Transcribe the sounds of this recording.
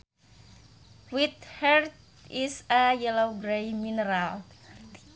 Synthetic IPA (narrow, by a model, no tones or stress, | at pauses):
wit̪̚hɛrt̪̚ | isəjɛlowɡɾejminəɾal